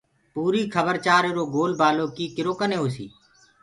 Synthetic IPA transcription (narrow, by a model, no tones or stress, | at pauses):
puːɾiːkʰəbəɾt͡ʃaːɾeɾoːɡoːlbaːlõːkiːkɪɾoːkəneːoːsḭː